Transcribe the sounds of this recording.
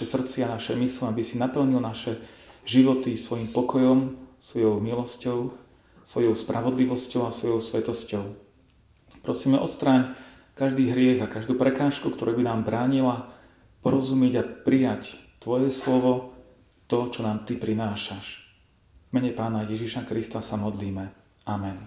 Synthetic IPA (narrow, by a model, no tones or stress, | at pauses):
ɛsr̩t̪t͡sɪanaʃɛmisliabisinapl̩ɲilnaʃɛʒiʋɔt̪isʋɔjiːmpɔkɔjɔmsʋɔjɔʊmilɔscɔʊ | sʋɔjɔʊspɾʔaʋɔd̪liʋɔscɔʊasʋɔjɔʊsʋɛt̪ɔscɔʊ | pɾɔsiːmɛʔɔ̰t̪st̪ɾaːɲ | kaʒd̪iːɦɾɪɛɣakaʒd̪uːpɾɛkaːʃkukt̪ɔɾuːbinaːmbɾaːɲila | pɔɾɔzumɛɟapɾijact̪ʋɔjɛslɔʋɔ | t̪ɔt͡ʃɔnaːmt̪ipɾinaːʃaʃ | vmɛɲɛpaːnajɛʒiʃakɾist̪asamɔd̪liːmɛ | amɛn